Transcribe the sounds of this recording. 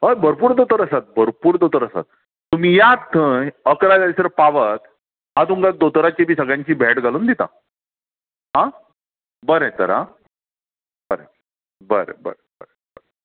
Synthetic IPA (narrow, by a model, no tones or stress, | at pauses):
ɦəjbʱəɾpuːɾd̪ot̪əɾəsat̪̚bʱəɾpuːɾd̪ot̪əɾəsa̰t̪̚ | t̪um̤iːjat̪ːəjəkɾad͡zaisəɾpaʋət̪ | at̪ũŋɡad̪ot̪əɾat͡ɕibʱiːsəɡɭãɲt͡ɕiːbʱɛʈɡʱaluːnd̪it̪a̰ | ɦã | bəɾẽt̪ə̰ɾa̰ | bəɾḛ | bəɾḛbə̰ɾebə̰ɾebəɾe